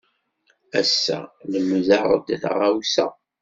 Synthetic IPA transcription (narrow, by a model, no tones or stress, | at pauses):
æsːæ̰ləmːzɑɾˤə̰d̪θʁawsæ̰